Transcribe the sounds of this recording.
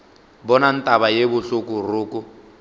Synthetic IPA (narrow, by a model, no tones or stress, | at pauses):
bɔnan̩tʼaβajebʊɬukur̤uːku